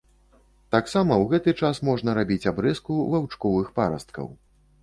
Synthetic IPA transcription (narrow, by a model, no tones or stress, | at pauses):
t̪aksamɐwɣɛt̪ɨt͡ʂasmɔʐnɐɾabʲit͡sʲabɾɛskuvawt͡ʂkɔvɨxpaɾɐ̰st̪kɐ̰w